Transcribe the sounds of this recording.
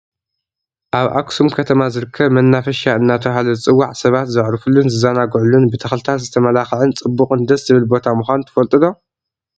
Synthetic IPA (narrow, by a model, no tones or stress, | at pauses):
ʔaβʔa̰ksumkʰɐt̪ʰɐmazɨɾɨkʰːɐβmɐnːafɐʃaɨnːat̪ʰɐβɦalɐt͡sʼɨwːaʕsɐβat̪zɨʕɾɨfulːunzɨzanaɡʕulːunbɨt̪ʰɐxlt̪ʰat̪zɨt̪ʰɐmɐlaxɨʕɨnt͡sʼɨbːukʼɨnd̪ɐszɨβɨlbo̞t̪ʰamuxʷant̪ʰɨ̥fɐlt̪ʼɨd̪o̞